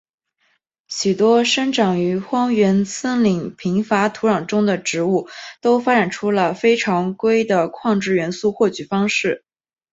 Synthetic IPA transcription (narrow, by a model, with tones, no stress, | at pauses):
ɕy˨˩t̪wɔ˥ʂə˥ŋʈ͡ʂɑ˨˩ŋy˧˥xwɑ˥ŋɥɛ˧˥nsʰə˥ŋli˨˩ŋpʰi˧˥ŋfa˧˥t̪ʰu˧˥ɻɑ˨˩ŋʈ͡ʂʊ˥ŋd̪ə˨ʈ͡ʂɻ̩˧˥u˥˩t̪o˥ʊfa˥ʈ͡ʂa˨˩nʈ͡ʂʰu˥lə˨fe˥ɪʈ͡ʂʰɑ˧˥ŋkwe˥ɪd̪ə˨kʰwɑ˥˧ŋʈ͡ʂɻ̩˥˩ɥɛ˧˥nsu˥˧xwɔ˥˩t͡ɕy˨˩fɑ˥ŋʂɻ̩˥˩